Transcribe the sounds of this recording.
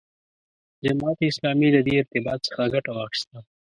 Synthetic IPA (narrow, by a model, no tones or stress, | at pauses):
d͡ʒɐmaːt̪ɪslaːmilɐd̪iɪɾt̪ɪbaːt̪sə̥xaɡɐʈawaːxʃt̪a